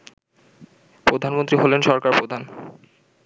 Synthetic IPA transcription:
pɾod̪ʱanmont̪ɾiɦolenʃɔɾkaɾpɾod̪ʱan

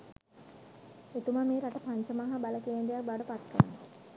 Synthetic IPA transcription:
et̪uməmeːɾaʈəpaɲt͡ʃəmaɦɐbaləkeːɳɖijak̚baɖəpat̪̚kə̰ɾə̰no

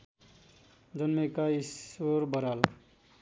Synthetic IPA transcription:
d͡zʌnmekaisʌɾbʌɾal

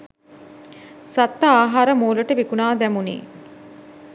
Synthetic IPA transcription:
sat̪ːɐaːɦaːɾəmoːluʈəʋikunaːd̪æmunḭː

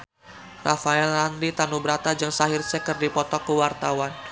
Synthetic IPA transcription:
rafaɛlːandit̪anubəɾat̪ad͡ʒaŋsaɦɪrsɛkərdipɔt̪ɔkəwart̪awan

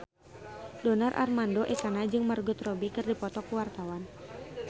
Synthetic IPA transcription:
dɔnarʔa̰rmandoʔɛkanad͡ʒɨŋmarɡut̪rɔbikɨrdipɔt̪ɔkuwart̪awan

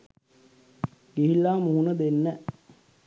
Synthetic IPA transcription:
ɡiɦilːaːmuɦunəd̪enːɛ

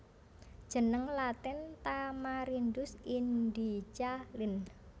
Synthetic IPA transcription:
d̥ʒ̥ə̤nəŋlat̪ɪnt̪amaɾind̪ʊsind̪it͡ʃalɪn

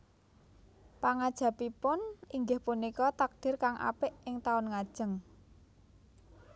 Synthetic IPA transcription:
paŋad̥ʒ̥a̤pipʊniŋɡɪhpunikɔt̪ak̚d̪̥ɪ̤rkaŋʔa̰pɪʔɪŋt̪aʊnŋad̥ʒ̥ə̤ŋ

